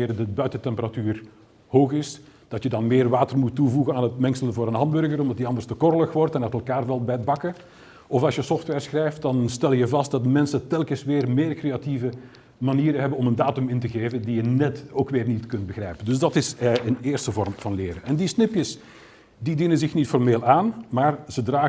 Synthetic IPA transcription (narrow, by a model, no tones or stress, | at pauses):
ɾədəbœɥtətɛmpəratyːr | hoːxɪsd̥ɑtjədɑnmɪːrʋaːtərmutːuvuɣənaːnɦətmɛŋksələnvoːɾənɦɑndbɵrɣərɔmdɑtdiɑndərstəkɔrələxʋɔrtɛnatɛlˠkaːrʋɛlˠbɛjədbɑkə | ɔfɑlˠsjəsɔftʋɛrsxrɛjft̚dɑnstɛlˠjəvɑst̚d̥ɑtmɛnsətɛlˠkəsʋɪːrmeːrkreativə | maniːɾəɦɛbənɔməndaːtʏmɪntəɣeːvəndijənɛtoːkʋɪːrnitkɵnt̚bəɣrɛjpəndɵs̬dɑtɪsəneːrstəvɔrmv̥ɑnlɪːɾənʔɛndisnɪpjəs | didinənzɪxnitfɔrmeːlaːnmaːrzədraː